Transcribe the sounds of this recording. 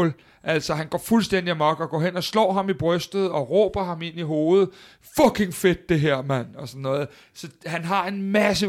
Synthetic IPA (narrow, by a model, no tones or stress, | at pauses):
l | ʔæl̰sɒɦænɡ̥ɒ̰fulsd̥en̰d̥iæmɒɡ̥ɒ̽ɡ̥ɒ̰ːɦen̰ɒ̽slɒ̰ːɦɑ̈mib̥ʁœsd̥ð̞̩ˠɒ̽ʁɔ̰ːb̥ɐɦɑ̈me̝niɦo̝ːð̩ˠ | fɒ̽kʰe̝ŋfe̝d̥̚ːe̝ɦeɐ̰mæn̰ɒ̽sɒnːɔ̽ːð̩ˠ | sɒ̽hænɦɑ̈e̝nmæs̬ə